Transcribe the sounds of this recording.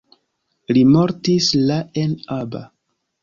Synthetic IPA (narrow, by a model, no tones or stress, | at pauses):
limo̞ɾtislae̞naba̰